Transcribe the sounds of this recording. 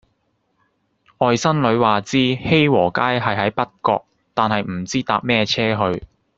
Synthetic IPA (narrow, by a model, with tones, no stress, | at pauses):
ʔɔː˨jsɐ˥nlɵ˨˧ɥwaː˨t͡siː˥he˥jwɔː˨˩kaː˥jɦɐ˨jɦɐ˨˥jpɐ˥t̚kɔ̰ː˧k̚ | t̪aː˨nɦɐ˨jm̩˨˩t͡siː˥t̪aː˧p̚mɛː˥t͡sʰɛː˥ɦɵ˧ɥ